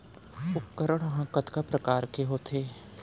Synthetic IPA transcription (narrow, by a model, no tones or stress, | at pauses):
ʊkəɾəɽ̃ɦãːkət̪kapɾɐkaːɾkeɦoːt̪ʰeː